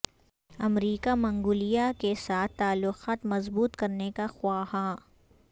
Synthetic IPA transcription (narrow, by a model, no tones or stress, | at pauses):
ɐmɾiːkamɐ̃ŋɡʊːlijakesaːt̪ʰːaːlːʊxaːt̪mɐzbuːt̪kɐɾnekaxwaːha